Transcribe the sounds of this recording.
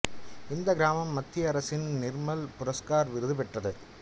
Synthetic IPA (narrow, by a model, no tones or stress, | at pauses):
ɪnd̪ɐɡɪɾaːmɐmːɐt̪ːɪɐɐɾɐsɪnnɪrmɐlpʊɾɐskaːɾʋɪɾɯðɯpɛʈrɐðɯ